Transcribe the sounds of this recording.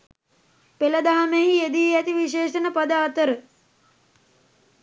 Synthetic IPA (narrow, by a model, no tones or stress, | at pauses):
peləd̪aɦameɦied̪iæt̪iʋiʃeːʃənəpad̪aːt̪əɾə